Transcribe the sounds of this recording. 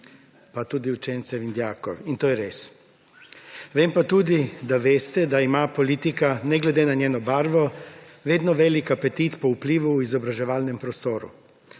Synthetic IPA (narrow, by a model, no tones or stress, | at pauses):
pat̪uːd̪iut͡ʃɛːnt̪sɛind̪jaːkɔ̰ɾint̪oːjɛɾeːs | ʋeːmpat̪uːd̪id̪aʋeːst̪ɛd̪aimaːpolit̪ikanɛɡlɛd̪eːnaɲjeːnɔbaːɾʋɔʋeːd̪nɔʋeːlikapɛt̪it̪pɔupliːʋuːizɔbɾaʒɛʋaːlnɛmpɾɔst̪oːɾṵ